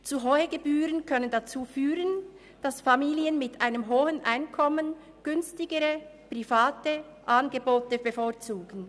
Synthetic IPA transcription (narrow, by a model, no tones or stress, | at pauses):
t͡suɦɔʏəɡebyːʁənkʰœnəndat͡suːfyːʁən | d̥asfamiːliənmɪtʰʔaɪnəmɦoːhənʔaɪnkʰɔmən | ɡ̥ʏnstɪɡəʁəpʁ̥ifaːtə | ʔaːnɡəboːtəbəfoːɐt͡suːɡ̥n̩